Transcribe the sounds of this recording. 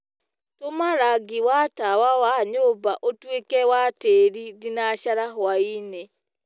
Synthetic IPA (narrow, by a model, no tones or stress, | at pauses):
tomaɾaɡiwatawawaɲoːbaʔotwekɛwateɾiðinaʃaɾaɦwaine